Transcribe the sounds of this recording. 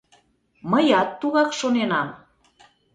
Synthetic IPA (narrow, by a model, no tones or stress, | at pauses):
məjɑt̪ːuɣɑkʃonenɑm